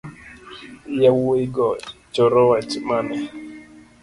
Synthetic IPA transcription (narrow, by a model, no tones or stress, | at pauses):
jawuiɡɔt͡ʃɔɾɔwat͡ʃimanɛ